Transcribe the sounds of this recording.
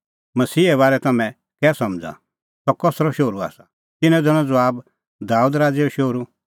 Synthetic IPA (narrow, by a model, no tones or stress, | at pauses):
mɐsiːɛβaːɾɛt̪ɐmɛ̃ | kɛːsɐmd͡za̰ | sɔkɔsɾɔʃoːɾua̰ːsa | t̪ɪnɛ̃d͡zɐñɔ̃d͡zɔaːb | d̪aːuːd̪ɾaːd͡zeɔʃoːɾu